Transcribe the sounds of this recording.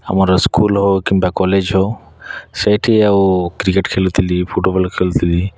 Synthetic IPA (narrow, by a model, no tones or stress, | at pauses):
a̰maɾɔskuːlɦokimbakɔled͡ʒɦo | sejʈʰiawkɾikeʈkʰelut̪ʰilipʰuʈebəlkʰelut̪ʰili